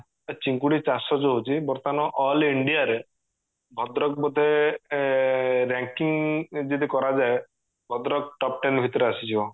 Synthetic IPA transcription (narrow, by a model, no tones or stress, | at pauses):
t͡ʃiŋkuɽit͡ʃasɔd͡ʒɔɦot͡ʃʰibɔɾt̪anɔʔɔliɳɖijaɾe | bʱɔd̪ɾɔk̚bɔd̪ʱe | ɾaŋkiŋd͡ʒit̪̬ikɔɾad͡ʒae | bʱɔd̪ɾɔk̚ʈɔp̚ʈenbʱit̪ɔɾeasit͡ʃʰibɔ